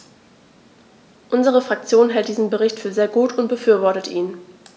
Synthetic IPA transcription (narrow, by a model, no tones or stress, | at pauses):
ʔʊnzəʁ̞əfʁ̥ak̚t͡sjoːnɦɛlt̚d̥iːzn̩bəʁɪçtfyːɐzeːɐɡuːtʊnt̚b̥əfyːɐvɔɐtətʔiːn